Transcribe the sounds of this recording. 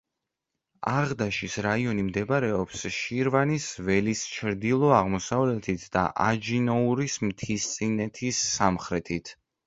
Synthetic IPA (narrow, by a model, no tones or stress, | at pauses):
aʁd̪aʃisɾaiɔnimd̪ɛbaɾɛɔpsʃiɾvanisvɛlist͡ʃʰɾd̪ilˠɔaʁmɔsavlɛt̪ʰit̪ʰd̪a̰ʔad͡ʒinɔuɾismt̪ʰist̪sʼinɛt̪ʰisːamχɾɛt̪ʰit̪ʰ